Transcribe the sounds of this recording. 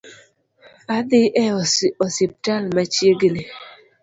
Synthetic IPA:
ad̪ɪʔɛɔsɪp̚talmat͡ʃjeɡni

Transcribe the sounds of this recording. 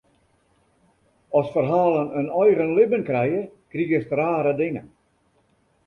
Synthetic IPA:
ɔsfərɦaːlˠənənɔjɣənlɪbənkrɛjəkriəstraːɾədɪŋə̰n

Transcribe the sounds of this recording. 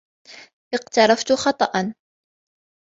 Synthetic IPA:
ʔɪqt̪ɑɾˤɑft̪ʊxɑt̪ˤɑʔɑn

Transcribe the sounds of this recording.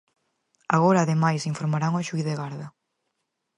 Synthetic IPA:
aɣoɾaːðemajsiɱfoɾmaɾaŋoʃujðeɣaɾðɐ

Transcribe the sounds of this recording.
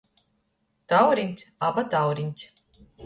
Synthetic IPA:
t̪awɾiɲʲt̪ʲabat̪awɾiɲʲt̪ʲ

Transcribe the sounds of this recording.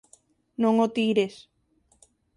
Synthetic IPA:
nõŋot̪iɾes

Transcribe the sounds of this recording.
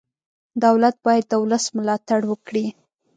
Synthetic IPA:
d̪awlat̪̚bɑjad̪̚ːəwləsməlɑt̪aɽwəkɽi

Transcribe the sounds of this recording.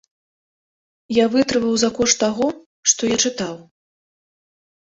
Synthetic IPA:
javɨt̪ɾɨvɐwzɐkɔʂt̪ːaɣɔ | ʂt̪ɔjat͡ʂɨt̪aw

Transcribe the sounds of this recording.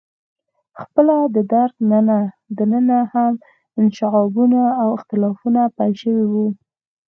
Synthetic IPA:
xpəlad̪əd̪aɾɡnəna | d̪ənənaham | ɪnʃɪɣɑbunaːwɪxt̪ɪlɑfunapajʃəwiwu

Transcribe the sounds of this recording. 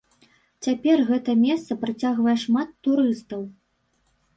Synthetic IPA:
t͡sʲapʲɛrɣɛt̪ɐmʲɛst̪sɐpɾat͡sʲaɣvɐjɛʂmat̪ːuɾɨst̪ɐw

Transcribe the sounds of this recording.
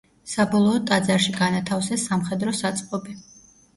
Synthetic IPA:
sabɔlˠɔːt̪ʼad̪zaɾʃiɡanat̪ʰafsɛsːamχɛd̪ɾɔsat̪sʼqʼɔbi

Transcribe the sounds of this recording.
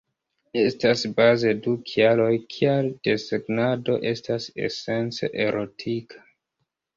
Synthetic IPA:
e̞stasbaze̞dukʰialo̞jkʰialde̞seɡnado̞ʔe̞stase̞̰se̞nt͡sḛʔe̞ɾʔo̞tʰikʰḁ

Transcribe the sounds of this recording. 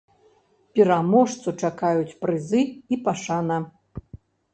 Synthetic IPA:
pʲiɾamɔʂt̪sut͡ʂakajut͡sʲpɾɨzɨipaʂanɐ

